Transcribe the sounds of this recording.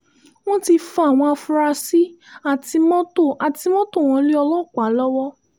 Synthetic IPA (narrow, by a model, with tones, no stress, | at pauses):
w̃ɔ̃˦ti˧fɔ˧a˦˨w̃ɔ̃˧a˧fu˧ɾa˧si˦a˦˨ti˧mɔ̃˦to˦˨a˨ti˧mɔ̃˦to˦˨w̃ɔ̃˧˦li˦ɔ˧lɔ˦˨k͡pa˨˦lɔ˦wɔ˦